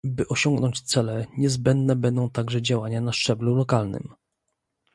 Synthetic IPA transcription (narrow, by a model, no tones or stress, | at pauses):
bɘʔɔɕɔŋɡnɔɲt͡ɕt̪sɛlɛɲɛzbɛnd̪nɛbɛnd̪ɔ̃w̃t̪aɡʐɛd͡ʑawaɲanaʂt͡ʂɛblulɔkalnɘ̰m